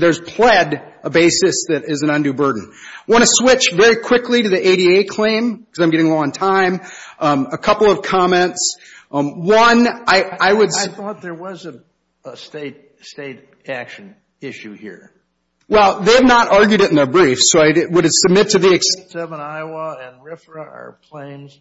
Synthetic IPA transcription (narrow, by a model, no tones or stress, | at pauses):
ðə˞z̥pʰl̥ɛd | əbeɪsɨsðɨɾɪzɨ̃n̩ʌ̃ndʉbɜ˞dⁿn̩ɪwɑ̃ɾ̃ɨswɪt͡ʃvɛɹikʰw̥ɪkʰliɾɨðiʔeɪɾieɪkʰl̥ẽɪ̃mkʰʌzãɪ̃mɡɛɾɪ̃ŋəlɔ̃ŋntʰãɪ̃m | əkʰʌpl̩ˠʌv̥kʰɑmɛ̃nts | wʌ̃naɪaɪwɨdθɔt̪̚ðə˞wʌzɨ̃n | əsteɪɾ | steɪɾ | ækʃɨ̃n | ɪʃʉhḭɹ | wɛlˠðeɪɨvnəɾʔɑɹɡjʉɾɨɾn̩ðə˞bɹifsoʊaɪwʊɾⁿsəb̚mɪtʰɨðiɨkssɛvə̃naɪwəɨ̃nɹɪfɹəə̰˞kʰl̥ẽɪ̃nz̥